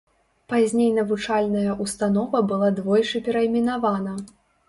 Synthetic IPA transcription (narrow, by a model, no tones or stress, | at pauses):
pazʲnʲejnɐvut͡ʂalʲnɐjɐʔust̪anɔvɐbɨlˠad̪vɔjt͡ʂɨpʲɛɾɐimʲinavanɐ